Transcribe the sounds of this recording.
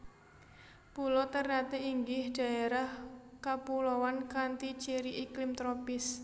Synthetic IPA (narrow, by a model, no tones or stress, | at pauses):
pulɔt̪ərnat̪eiŋɡɪhɖ̥ä̤eɾahkapulowankant̪it͡ʃiɾiʔiklɪmt̪ɾɔpɪs